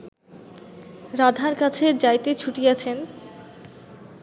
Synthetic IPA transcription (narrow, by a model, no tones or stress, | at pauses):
ɾad̪ʱaɾkat͡ɕʰed͡ʑajt̪et͡ɕʰuʈiat͡ɕʰen